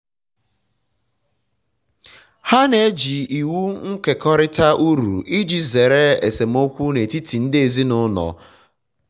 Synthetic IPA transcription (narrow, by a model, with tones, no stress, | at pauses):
ha˦ne˨˦d͡ʒi˨i˨wu˦ŋ̩˦ke˨kɔ˦ɾɪ˦ta˦ʔu˦ɾṵ˨i˦d͡ʒi˨ze˨ɾe˦e˨se˨m˦o˦kʷu˦ne˨ti˦tʰi˨n̩˦de˨zi˦nʊ˦nɔ̰˨